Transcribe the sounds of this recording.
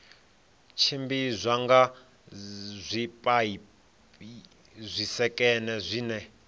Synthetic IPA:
t͡ʃʰimbizʷaŋɡa | zʷipʼai | zʷisɛkʼɛnɛzʷiːnɛ

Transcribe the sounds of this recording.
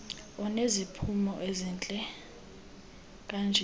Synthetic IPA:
ɔnezipʰumɔʔeziːnt͡ɬʼɛ | k̬ʼand͡ʒʱɛ

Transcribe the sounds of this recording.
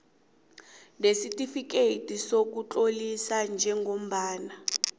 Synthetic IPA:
nesitifikeitisok̬ut͡ɬʼolisand͡ʒʱɛŋɡʱom̩ɓaːna

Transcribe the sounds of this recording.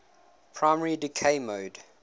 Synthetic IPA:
pʰɹ̥aɪmɛɹidɪkʰeɪmoːd

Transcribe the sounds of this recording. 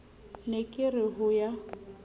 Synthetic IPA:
nekʼɪrɪɦʊja

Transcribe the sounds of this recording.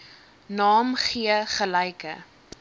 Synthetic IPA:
nɑːmχiəχəlɛjkə̰

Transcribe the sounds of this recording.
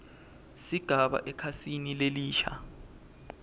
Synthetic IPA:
siɡ̥ʱaɓa̰ʔɛkʰasinileliːʃa̰

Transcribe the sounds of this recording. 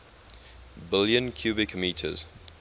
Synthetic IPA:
bɪljə̃nkʰj̥uːbɪkmiːtʰə̰z̥

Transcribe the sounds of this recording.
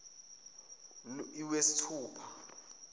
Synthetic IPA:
iwesi̥tʰuːpʰḁ

